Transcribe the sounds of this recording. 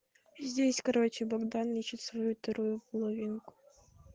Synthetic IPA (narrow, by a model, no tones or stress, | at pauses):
zʲdʲesʲkɐɾɔt͡ɕɪbɐɡd̪anlʲit͡ʃɪtʲsvɔjut̪ɐɾujʊpɔlˠɔvʲinkʊ̥